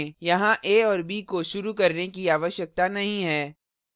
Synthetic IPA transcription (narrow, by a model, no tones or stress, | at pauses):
jɐɦãʔeːɔːɾbiːkoʃʊɾukɐɾnekiaːʋəʃjək̚t̪anɐɦĩɦɛː